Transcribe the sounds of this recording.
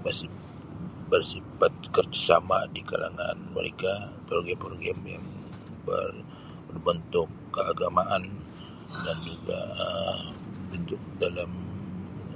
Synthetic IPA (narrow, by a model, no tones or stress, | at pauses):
bəsi | bərsifat̪̚kərd͡ʒasa̰madika̰la̰ŋa̰nmə̰ɾḛkapərɡɛpɔrɡɛmja̰ŋ | bə̰r | bənt̪ʊkːəaɡamaʔan | dand͡ʒuɡa̰ | bənt̪ʊk̚dalam